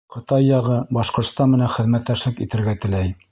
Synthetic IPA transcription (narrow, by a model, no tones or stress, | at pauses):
qʰɤ̆t̪ɑjːɑʁɤbɑʃqŏɾt̪st̪ɑnmɘ̆nænχɘ̆ðmæt̪ːæʃlɘkit̪ɘ̆ɾɡæt̪ɘ̆læj